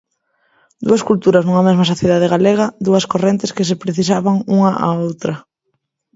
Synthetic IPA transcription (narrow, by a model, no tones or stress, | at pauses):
d̪uɐskult̪uɾɐznuŋɐmezmɐsoθjeðað̞eɣaleɣɐd̪uɐskorent̪eskes̬epɾeθisaβaŋuŋɐʔa̰owt̪ɾɐ